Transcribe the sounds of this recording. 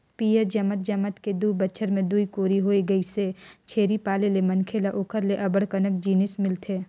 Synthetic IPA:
piːəɾd͡ʒɐmət̪̚d͡ʒɐmət̪ked̪uːbəːʃʰəɾmẽd̪uikoːɾiɦoːiɡɐiset͡ʃʰeːɾipaːlelemɐnkʰelaʔokʰəɾleʔɐbəɽkənək̚d͡ʒiːnɪsmɪlt̪ʰeː

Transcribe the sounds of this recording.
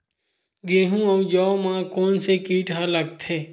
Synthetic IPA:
ɡeːɦũːəwd͡ʒɔmãkoːnsekiːʈɦalək̚t̪ʰeː

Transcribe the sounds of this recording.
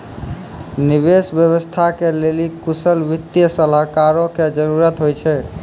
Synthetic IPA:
niβesbjəβəst̪ʰakelelikusəlbit̪ːjəsəlakaɾõked͡ʒəɾuɾət̪ɦojt͡ʃʰɛ

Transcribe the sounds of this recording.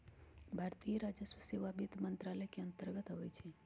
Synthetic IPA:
bʱaɾt̪ijəɾad͡ʒəsʋəseʋabit̪mənt̪ɾaləjkeənt̪əɾɡət̪ɦəʋet͡ʃʰe

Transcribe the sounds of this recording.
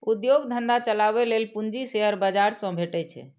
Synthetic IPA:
ud̪joɡd̪ʱənd̪at͡ʃəlaβelelpuɲd͡ʒiseɦəɾbəd͡ʒaɾsə̃bʱeʈɛt͡ʃʰɛ̰

